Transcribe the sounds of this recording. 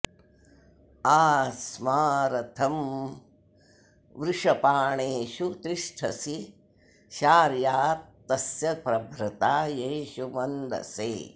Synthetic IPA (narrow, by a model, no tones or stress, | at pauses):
aːsmaːɾɐt̪ʰɐm | ʋɾɪʂɐpaːɳeːʃut̪iʂʈʰɐ̰si | ʃaːɾjaːt̪ːɐsjɐpɾɐbʱɾɐt̪aːjeːʃumɐnd̪ɐ̰seː